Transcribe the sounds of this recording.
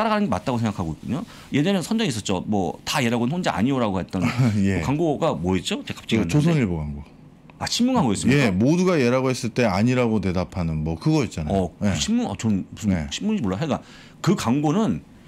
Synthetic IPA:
t͈aɾaɡanɯnɡemat̚t͈aɡosʰe̞ŋɡakʰaɡoik͈uɲo | je̞ɲenɯnsʰʌnd͡ʑʌŋis͈ʌt̚t͡ɕ͈omwʌ̰taje̞ɾaɡonhond͡ʑeʔa̰ɲioɾaɡoɦat͈̚ʌneokaŋɡoɡamwoit͡ɕ͈ot͡ɕekḁp̚t͡ɕ͈aiint͡ɕos̬ʰeoniɭboɡaŋɡo | at͡ɕʰimːuŋɦaɡoes͈ɯmje̞amoduɡajeɾaɡohes͈ɯɭt͈e̞aɲiɾaɡote̞dapʰanɯnmwʌkɯɡʌit̚t͡ɕ͈anaʌokɯɕʰiːuŋʌ̰t͡ɕonbusʰɯnɕʰimːuɲd͡ʑimoɭːaɦeɡa | kɯkaŋɡonɯn

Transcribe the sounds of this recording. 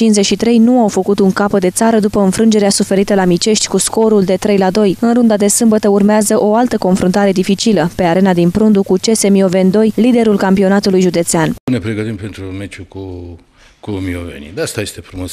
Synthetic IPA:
t͡ʃinzet͡ʃʃit̪ɾe̞jnuawfəkut̪uŋkapəd̪e̞t̪saɾəd̪upəɨnfɾɨnd͡ʒe̞ɾeasufe̞ɾit̪əlamit͡ʃe̞ʃt̪ʲkusko̞ɾuld̪e̞t̪ɾe̞jlad̪o̞jɨnrund̪ad̪e̞sɨmbət̪əurmeazəʔo̞alt̪əko̞nfɾont̪aɾe̞d̪ifit͡ʃiləpe̞aɾe̞nad̪inpɾund̪ukut͡ʃe̞se̞mio̞ve̞nd̪o̞jlid̪e̞ɾulkampio̞nat̪ulujʒud̪e̞t̪seanpunepɾeɡət̪impe̞nt̪ɾumet͡ʃuku | kumio̰vḛnḭd̪aast̪aje̞st̪e̞fɾumo̞s

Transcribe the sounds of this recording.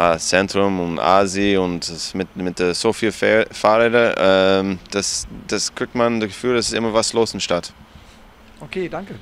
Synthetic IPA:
at͡sɛntʁ̥ʊmʊna̰ːziʊntd̥asmɪtmɪt̚d̥eːz̥oːfiːlffaʁeːdəʔɛmd̥asd̥asɡ̥ʁ̥ɪk̚tmandəɡəfyːldasɪstʔɪ̰mɐvasloːsɪndʃtat | okʰeːdaŋkə

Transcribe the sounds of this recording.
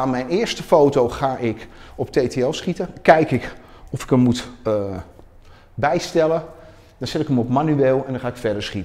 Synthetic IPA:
aːnmɛjnɪːɹstəfowtowχaːʔɪkɔptejteɛlˠsχitəkɛjkɪk | ɔfɪ̥kəmmut | bɛjstɛlə | d̥ɔnsɛtɪkəmɔpmanyeːlˠɛndɔnχaːɪkfɛɹdəɹsχitə

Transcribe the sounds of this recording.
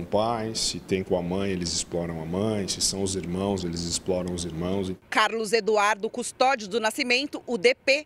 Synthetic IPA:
pajsɪt̪ẽj̃kõamɐ̃j̃elɪzɪsplɔɾɐ̃w̃amɐ̃j̃sɪsɐ̃w̃ʊziɾmɐ̃w̃zelɪzɪsplɔɾɐ̃w̃ʊziɾmɐ̃w̃zɪkaɾlʊzed̪uaɾd̪ʊkust̪ɔd͡ʒʊd̪ʊnasimẽnt̪ʊʔʊd̪epe

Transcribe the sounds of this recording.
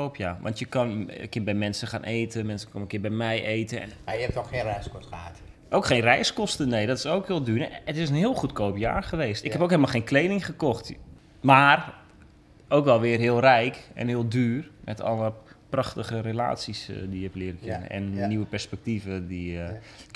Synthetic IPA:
owpjaːʋʔɑ̰ntjəkɑn̰kɪnbɛjmɛnsəχaːnʔejtəmɛnsəkɔnəkɪːbɛjmɛjʔeːtəɛ̰najɛp̚tɔxxeːnrɛjskɔsəat | ʔowkχeːnrɛjskɔstənejdɔtɪ̥sowkhɪːlˠdyːrətɪsənɦɪːəlˠχutkoːpja̰ːrχəʋeːstɪkɦhɛpowkɦeləmalˠχeːnklejnɪŋχəkɔxt | maːr | owkʋɛlˠʋɪərɦɪəlˠrɛjkɛ̰nhɪːlˠdyːrmʔɛ̰tɔ̰ləprɑxtəχərela̰ːtsisdijəɛplɪəɾəkɪnə̰ʔɛ̰nːiʋəpɛrspɛk̚tivədi

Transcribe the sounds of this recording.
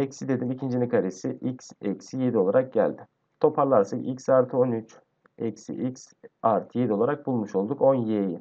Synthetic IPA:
ɛcsid̪e̞d̪imicʰind͡ʒinikʰaɾesiʔicsɛcsije̞d̪io̞lˠaɾak̚ɟæ̰lʲd̪ɪ | t̪ʰo̞pʰaɾlˠaɾsaicsaɾt̪ʰɯo̞nyt͡ʃ | ɛcsḭʔiksaɾt̪ʰje̞d̪io̞lˠaɾak̚bulˠmuʃolˠd̪uko̞njeji

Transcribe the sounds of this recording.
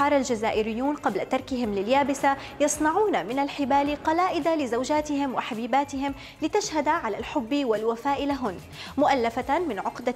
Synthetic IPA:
ɑːɾˤalʒazaːʔɪɾɪjːuːnqɑblat̪ɑɾˤkɪɦɪmlɪljaːbɪsa | jɑsˤnɑʕuːnamɪnalħɪbaːliqɑlaːʔɪd̪alɪzawʒaːt̪ɪhɪmwɪħabiːbaːt̪ɪɦɪm | lɪt̪aʃhad̪aʕalalħʊbːiwalwafaːʔɪlaɦʊn | mʊʔalːafamɪnʕʊqd̪a

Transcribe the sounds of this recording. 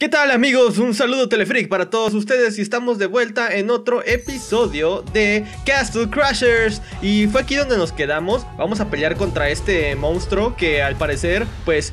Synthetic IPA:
ket̪alamiɣo̞sunsaluð̞o̞t̪e̞le̞fɾik̚paɾat̪o̞ðo̞s̬ust̪e̞ðe̞s̬iest̪amo̞zðe̞βwe̞lt̪ae̞no̞t̪ɾo̞ʔe̞piso̞ðjo̞ðe̞kast̪lkɾaʃeɾs | if̬we̞akiðo̞nd̪e̞no̞ske̞ðamo̞sbamo̞s̬ape̞ljaɾko̞nt̪ɾae̞st̪e̞mõ̞nst̪ɾo̞ke̞alpaɾe̞se̞ɾpwe̞s

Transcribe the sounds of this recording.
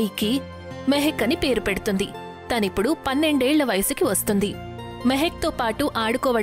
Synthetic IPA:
iki | meɦekːɐnipe̞ːɾupeɽut̪und̪i | t̪ɐnipːuɽupɐnːe̞ɳɖeːɭːɐʋɐjɐsukiʋɐst̪und̪i | meɦek̚t̪oːpaːʈuʔaːɽukɔːʋɐ

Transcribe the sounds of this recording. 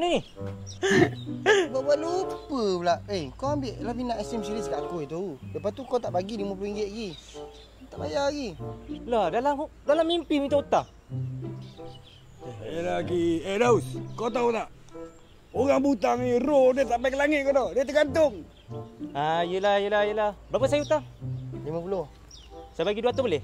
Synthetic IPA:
ni | baʔbaʔlupəblaʔejkoambɪʔlahminaʔɛsɛmsiliskaʔkoit̪uuləpat̪ukot̪aʔbaɡidimupiŋɡeʔɡi | t̪aʔba̰jaɡiladalam | dalamːimpimit̪aut̪ah | eelakiedauskot̪aut̪aʔ | oɣaŋbut̪aŋirodiət̪ampajkəlaŋɪʔ̪̚konɔdiət̪̬əɡant̪ʊŋ | ajəlajəlajəlahbapaʔs̬ajaut̪aŋlimapuloh | sabaɡiduat̪obolɛh

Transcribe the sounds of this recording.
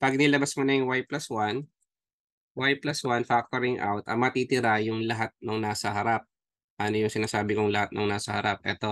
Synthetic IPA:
pɐɡ̚nɪlɐbasmonɐjʊŋwajplɐswan | wajplɐswanfak̚t̪oɾɪŋʔa̰wt̪ʔɐ̰mɐt̪it̪ɪɾajʊŋlɐɦat̪̚noŋnaːsɐhɐɾap̚ | ʔɐno̞jʊŋsɪnaːsaːbɪkʊŋlɐhat̪̚nɐŋnaːsɐhɐ̰ɾap̚ʔɛ̰t̪o̞

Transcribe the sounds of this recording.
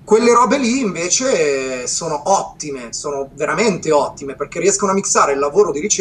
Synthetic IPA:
kwelːeɾɔːbeliːɱveːt͡ʃesoːnoʔɔt̪ːimesoːnoveɾament̪eɔt̪ːimeperkerːiɛskonoamːiksaːɾeilːavoːɾod̪iɾit͡ʃ

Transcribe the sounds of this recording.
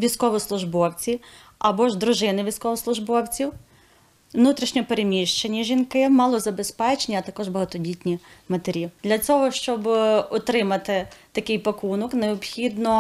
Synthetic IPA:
ʋʲijsʲkɔʋɔslˠʊʒbɔwt͡sʲi | ɐbɔʒd̪ɾʊʒɪnɪʋʲijsʲkɔʋɔslˠʊʒbɔwt͡sʲiw | ʋnut̪ɾʲiʃnʲɔpeɾemʲiʃt͡ʃenʲːɐʒʲinkɪmɑlˠɔzɐbespɛt͡ʃnʲiɐt̪ɐkɔʒbɐɦɐt̪ɔdʲitʲnʲimɐt̪eɾʲid̪̥lʲɐt͡sʲɔɦɔʃt͡ʃɔbɔt̪ɾɪmɐt̪ɪt̪ɐkɪjpɐkunɔkneɔpxʲid̪nɔ

